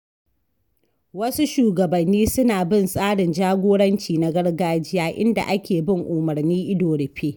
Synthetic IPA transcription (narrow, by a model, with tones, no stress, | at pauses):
wɐ˦su˦ʃuː˨ɡɐ˨bɐ˨nːiː˦sʊ˦naː˨bɪ˦˨nsʼaː˦ɽɪ˨nd͡ʒaː˦ɡʷoː˦ɽɐ˦nt͡ʃiː˨na˦ɡɐ˦ɽɡaː˦d͡ʒɪ˦jaː˦ʔɪ̰˦nda̰˨ʔa˦kʲeː˨bɪ˦˨ŋʔʊ˨mɐ˨rniː˦ʔɪ˦doː˨ɽɪ˨ɸeː˦